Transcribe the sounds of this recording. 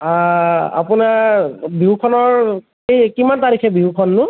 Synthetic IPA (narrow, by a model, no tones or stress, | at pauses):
aa̰pʊnaɹbiɦukʰɔnɔɹ | ejkimantaɹikʰɛbiɦukʰɔnːʊ